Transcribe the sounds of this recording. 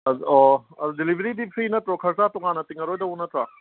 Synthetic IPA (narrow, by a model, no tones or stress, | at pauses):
ɐɔɐzudilibʱeɾidipsʰiinɐtɾɔkʰɐɾsatɔŋanɐtiŋɐɾojdɐunɐtɾa